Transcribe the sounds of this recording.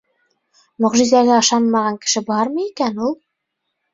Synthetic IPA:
mɵ̆ʁʒizæɡæɤ̆ʃɑnmɑʁɑŋkɘ̥̆ʃɘbɑɾmɤ̆jikænulˠ

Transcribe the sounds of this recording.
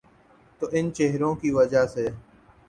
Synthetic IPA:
t̪oːʔɪnt͡ʃeɦɾõːkiːʋəd͡ʒaːseː

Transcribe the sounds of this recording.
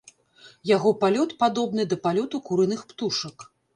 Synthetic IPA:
jaɣɔpalʲɔt̪pad̪ɔbn̪ɨd̪ɐpalʲɔt̪ukuɾɨnɨxpt̪uʂɐk

